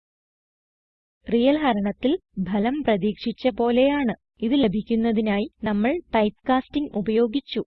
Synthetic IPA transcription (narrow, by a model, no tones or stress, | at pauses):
rijɐlɦɐɾɐɳɐt̪ːilbʱɐlɐmprɐðiːkʂit͡ɕːɐpo̞ːle̞jaːɳɨ | iðile̞bʱikʲːunːɐðinaːjinɐmːɐɭpɐjt̪kaːstiŋɡubɐjo̞ːɡit͡ɕːu